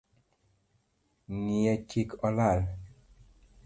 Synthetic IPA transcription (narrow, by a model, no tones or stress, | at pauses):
ŋijɛt͡ʃikɔlal